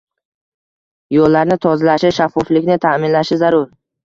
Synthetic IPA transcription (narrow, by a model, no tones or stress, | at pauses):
jɒlːaɾnɪt̪ʰɒzalaʃɪʃafːɒflɪkʲnɪt̪ʰamɪnlaʃɪzaɾʊɾ